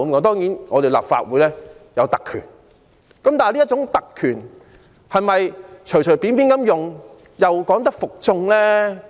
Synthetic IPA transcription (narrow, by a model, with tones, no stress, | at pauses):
mkɔ˨˥t̪ɔː˥ŋjiː˨˥nŋɔː˨˧t̪e˨jla̰ː˨p̚fa̰ː˧t̚wuː˨˥jlɛː˥jɐ˨˧wt̪ɐ˨kʰːy̰ː˨˩n | kɐ˨˥mt̪aː˨liː˥t̚t͡ʃʊ˨˥ŋt̪ɐ˨kʰːyː˨˩n | hɐ˨˩mɐ˨jt͡ʃʰt͡ʃʰɵ˨˩jpiː˨˥npiː˨˥nkɐ˥mjʊ˨ŋ | jɐ˨wkɔː˨˥ŋt̪ɐ˥k̚fʊ˨k̚t͡sʊ˧ŋlɛː˥